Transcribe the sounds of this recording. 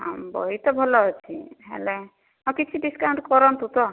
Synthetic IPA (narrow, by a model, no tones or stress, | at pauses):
ɦã̰mbɔ̰ɦit̪ɔbʱɔlɔɦɔjt͡ʃʰiɦḛle | ɔ̃kit͡ʃʰiɖiskaw̃ɳʈkɔɾɔnt̪ut̪ɔ